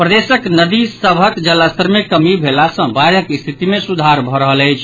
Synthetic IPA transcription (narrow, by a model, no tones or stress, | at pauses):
pɾəd̪esəknəd̪isəbʱəkd͡ʒəlːast̪ʰəɾmekəmibʱelasə̃baɾəkist̪ʰit̪imesud̪ʱaɾbʱɔɾəɦələjt͡ʃʰ